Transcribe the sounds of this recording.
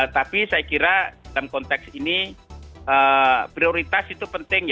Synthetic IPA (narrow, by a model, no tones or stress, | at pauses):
t̪apisajakiɾadalamkɔnt̪ɛksini | əpɾioɾit̪asit̪upənt̪ɪŋj